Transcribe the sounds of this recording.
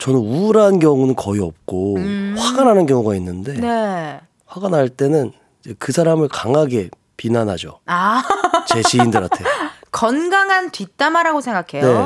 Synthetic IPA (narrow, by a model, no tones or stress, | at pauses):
t͡ɕʌnɯnuɾanɡjʌŋunɯnkʌiʌp̚k͈oɸwaɡanɦanɯnɡjʌŋuɡainːɯnde̞ne | ɸwaɡanɦaɭt͈e̞nɯn | id͡ʑe̞kɯsʰaɾamɯɭkaŋaɡe̞ | pinanɦad͡ʑo̰at͡ɕe̞t͡ɕiːndɯɾa̰tʰekʌnɡaŋɦantɥit͈amaɾaɡosʰe̞ŋɡakʰe̞jnoe̞